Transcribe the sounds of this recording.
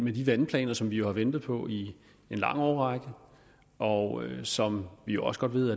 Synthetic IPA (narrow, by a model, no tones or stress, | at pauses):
med̥iʋænpʰlɛ̰ːnɐsɒ̽mʋijo̝hɑ̈ʋend̥ð̩ˠpʰɒ̽i | e̝nlɑ̈ŋ̰ɒːʁɑɡ̥ə | ʔɒsɒ̽mʋijo̝ɒ̽sə̥ɡ̥ɒ̽d̥ʋe̝ð̰ˠæ